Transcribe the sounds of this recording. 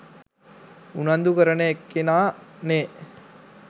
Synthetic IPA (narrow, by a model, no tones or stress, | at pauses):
ʊnɐnd̪ukɐɾɐnekːinaːneː